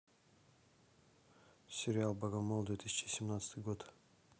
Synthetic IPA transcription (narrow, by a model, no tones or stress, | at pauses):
sʲɪɾʲɪalˠbɐɡɐmod̪vʲet̪isʲɪ̥t͡ʃɪəsʲɪmnat̪sə̥t̪ɨjɡot̪